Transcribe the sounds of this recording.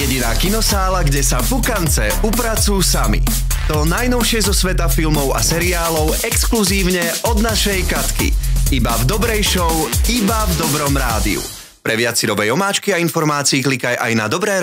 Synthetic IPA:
jɛɟinaːkinɔsaːlaɡɟɛsavukant͡sɛ | upɾat͡sujsamḭ | t̪ɔnajnɔʊʃɪɛzɔsʋɛt̪afilmɔʊa̰sɛɾiaːlɔʊɛkskluziːʊɲɛɔd̪naʃɛjkat̪kḭibavd̪ɔbɾɛjʃɔʊibavd̪ɔbɾɔmɾa̰ːd̪ḭṵ | pɾɛʋɪat͡siɾɔʋɛjɔmaːt͡ʃkiainfɔɾmaːt͡siiklikajʔa̰jnad̪ɔbɾɛː

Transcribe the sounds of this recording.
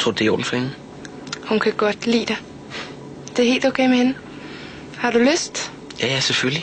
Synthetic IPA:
t͡sʰʁoɐd̥eo̰ːn̩fɒhenə | hunkʰæɡ̥ɒd̥lḭːd̥e | d̥e̝ɐɦe̝̰ːld̥oʊːkʰeɪ̰mehenə | hɑ̈d̥uløsd̥ | jæjæsefølli

